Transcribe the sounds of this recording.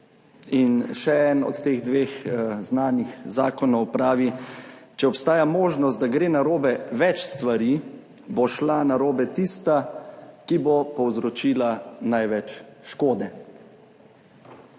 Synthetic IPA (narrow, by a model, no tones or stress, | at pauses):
inʃɛɛnɔ̰t̪ːeːɣd̪ʋeːxznaːnixzaːkɔnɔwpɾaːʋit͡ʃɛɔpst̪aːjamoːʒnɔst̪̚d̪aɡɾeːnaɾoːbɛʋɛt͡ʃst̪ʋaɾi | boʃlanaɾoːbɛt̪ist̪akibopɔwzɾɔt͡ʃiːlanajʋɛt͡ʃʃkoːd̪ɛ